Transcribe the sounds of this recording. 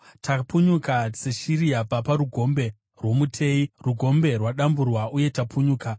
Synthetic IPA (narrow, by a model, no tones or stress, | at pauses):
tapuɲukat͡seʃiɾijapapaɾuɡʱo̞mbe̞ | rwo̞mutʰe̞iruɡʱo̞mbe̞rwaɗamburwauje̞tapʰuɲuːka